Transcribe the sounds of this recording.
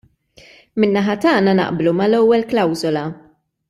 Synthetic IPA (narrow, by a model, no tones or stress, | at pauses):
mɪnːɐħɐt̪ɐːnɐnɐ̰ʔblumɐlɛwːɛlklɐwzɔlɐ